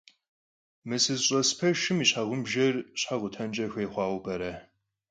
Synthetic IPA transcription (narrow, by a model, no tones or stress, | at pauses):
mɨsɨzɕʼɐspʰɐʃɪmiɕħaʁʷʊmʒɐrɕħaʁʷʊtʰɐnt͡ʃʼɐxʷeːχʷɑːwʷbɐɾɐ